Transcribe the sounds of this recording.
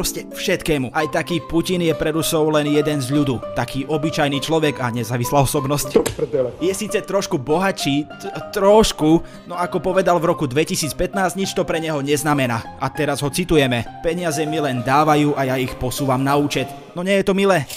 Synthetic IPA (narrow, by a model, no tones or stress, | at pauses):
ɾɔscɛfʃɛt̪kɛːmuʔajt̪akiːpucinjɛpɾɛɾusɔʊlɛnjɛd̪ɛnzʎud̪uːt̪akiːʔɔbit͡ʃajniːt͡ʃlɔʋɛɡaɲɛzaːʋislaːɔsɔbnɔsc̪ɛjɛsiːt͡sɛt̪ɾɔʃkubɔɦat͡ʃiː | t̪ɾɔʃku | nɔakɔpɔʋɛd̪alvɾɔkud̪ʋɛcisiːt͡spɛt̪naːzɲit͡ʃt̪ɔpɾɛɲɛɦɔɲɛznamɛnaːʔat̪ɛɾazɦɔt͡sit̪ujɛmɛpɛɲɪazɛmilɛnd̪aːʋajuːʔajaixpɔsuːʋamnauːt͡ʃɛt̪ | nɔɲɛjɛt̪ɔmilɛː